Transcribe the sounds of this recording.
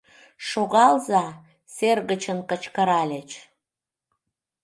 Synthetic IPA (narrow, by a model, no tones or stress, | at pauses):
ʃoɣɑlzɑ | serɣət͡ɕənkət͡ɕkəɾɑlʲet͡ɕ